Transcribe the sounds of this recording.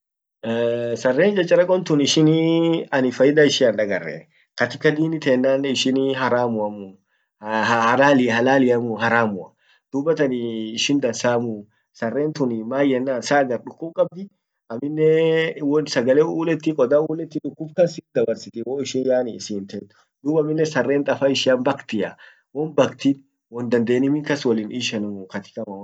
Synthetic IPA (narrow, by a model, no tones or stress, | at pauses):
sɐrːeːnd͡ʒɐt͡ʃʼːɐɾɐkʼɔnt̪ʊnɪʃɪniɐnɪfɐjɪd̪aɪʃɪɐnᶑ̪ɐɡɐrːɛ̰ | kɐt̪ɪkɐd̪iːnɪt̪eːnːaːnːɪʃɪnɦɐɾaːmʊɐmʊ | hɐlaːlɪhɐlaːlɪɐmʊɦɐɾaːmʊɐ | d̪̥ubɐt̪ɐnɪːʃɪnd̪ɐnsaːmʊ | sɐrːeːnt̪ʊnɪmaːjɛnːaːnsaːɡɐɾᶑʊkːʊbkʼɐb̚d̪ɪ | ɐmːɪnːɛwɔnsɐɡɐleuːlɛt̪ːɪkʼɔd̪aːuːlɛt̪ːɪᶑʊkːʊbkɐnsɪnd̪ɐbɐɾsɪt̪ɪwoːɪʃɪnjaːnːsɪːnt̪ɐt̪ːʊ̥ | d̪uːbɐmːɪnːɛsɐrːeːnt̪ʼɐfaɪʃɪanbɐkt̪ɪɐ | wɔnbɐkt̪in | wɔnd̪ɐnd̪eːnɪmɪŋkɐswɔlɪnʔiːʃɐnɐmʊkɐt̪ɪ̥kʼɐmɐ